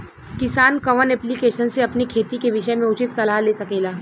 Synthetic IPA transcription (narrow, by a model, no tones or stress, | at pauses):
kɪsaːnkɐʋənɛːplikeːʃənseɐpnikʰeːt̪ikeʋɪʃəmẽʊt͡ʃɪt̪sɐlaːleːsɐkeːlaː